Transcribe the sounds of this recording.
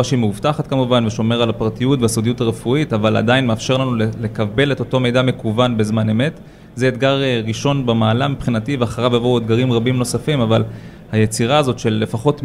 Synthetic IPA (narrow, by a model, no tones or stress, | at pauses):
aʃeimeuvtaχatkamuvanveʃo̞me̞ʁalapaʁtijutveasodijutaʁefuitavala̰dainmeafʃe̞ʁlanulele̞kabe̞le̞to̞to̞me̞jdame̞kuvanbezmane̞me̞t | zeet̪ɡaʁʁiʃo̞nbemaːlamipχinativeaχaʁavjavouet̪̚ɡaʁimʁabimno̞safimaval | hajet͡siʁaːzo̞tʃe̞lːe̞faχo̞t